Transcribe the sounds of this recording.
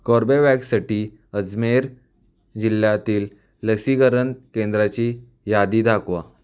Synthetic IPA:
kɔɾbeʋɛksaʈiː | əd͡zmeɾ | d͡ʑiljat̪iːlː | əksiɡəɾənkẽnd̪ɾat͡ɕi | jad̪iːd̪ʱakʋa̰

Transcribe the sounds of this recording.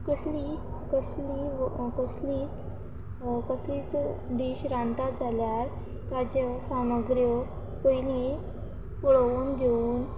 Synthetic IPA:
kəsli | kəslikəsliːt͡s | kəsliːt͡sɖiːɕɾãnt̪ad͡zʱaljaɾ | t̪ad͡ʑesaməɡɾjɔ | pojni | puɭuːnɡʱeuːn

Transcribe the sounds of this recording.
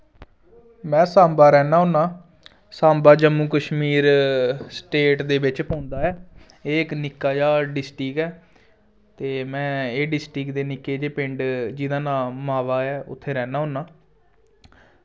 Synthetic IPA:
mɛ̃ːsãːmbaːɾɛːnaːɦʊ̃ːnːaː | saːmbaːd͡ʒəmːuːkəʃmiːɾsʈeːʈd̪eːbɪt͡ʃpõːnd̪aːɛː | eːɪknɪkːaːd͡ʒaːɖɪsʈiːkɛː | t̪eːmɛ̃ːeːɖɪsʈiːkd̪eːnɪkːeːd͡ʒeːpɪ̃ɳɖd͡ʒɪd̪ãːnaːmaːʋaːɛːʊ̰t̪ʰːeːɾɛːnaːɦõːnːaː

